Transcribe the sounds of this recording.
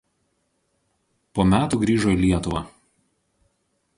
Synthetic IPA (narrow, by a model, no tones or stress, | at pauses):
poːmʲæːt̪uːɡɾʲiːʒoːiˑlʲiɛt̪ʊʋɑː